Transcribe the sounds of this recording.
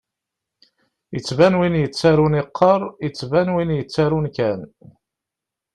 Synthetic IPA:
jət͡sːvænwinjət͡sːaɾuniqʰːɑɾˤjət͡sːvænwinjət͡sːaɾunkæn

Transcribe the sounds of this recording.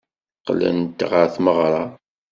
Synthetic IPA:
qːlə̰nt̪ʁəɾθməʁɾˤɑ

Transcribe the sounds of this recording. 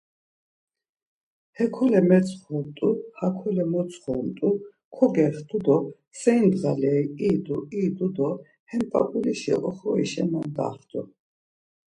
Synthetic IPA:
hɛkʰɔlɛmɛt͡sʰʼχɔt̪ʼuhakʰɔlɛmɔt͡sʰʼχɔnt̪ʼu | kʰɔɡɛχd̪ʰud̪ɔ | sɛjnd̪ʁalɛiiːd̪uiːd̪ud̪ɔ | hɛnpʼa̰pʼuliʃɛ̰ʔʼɔχɔḭʃɛnand̪a̰χd̪ʰʼṵ

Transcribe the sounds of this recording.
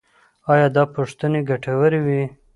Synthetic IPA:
ɑjɑd̪ɑpuʂt̪əneɡaʈawəɾewi

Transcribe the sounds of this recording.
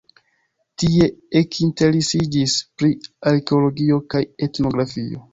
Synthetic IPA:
tie̞ekʰinte̞ɾesid͡ʒispɾiaɾkeolo̞ɡio̞kaje̞tno̞ɡɾafio̞̰

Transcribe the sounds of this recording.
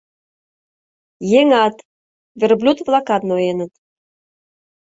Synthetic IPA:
jeŋɑt̪ | vʲerblʲut̪vlˠɑkɑt̪nojenət̪

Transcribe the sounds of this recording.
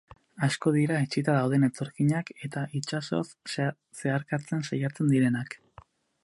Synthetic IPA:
asko̞ðiɾaet͡ʃit̪aðawð̞e̞ne̞t̪o̞ɾkiɲake̞t̪aʔit͡ʃaso̞̰s | se̞aɾkat͡se̞nsajat͡se̞nd̪iɾe̞nak

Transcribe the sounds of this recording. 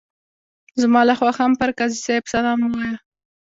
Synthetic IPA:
zmɑlaxwɑxampəɾkazisejbsalɑmuwɑja

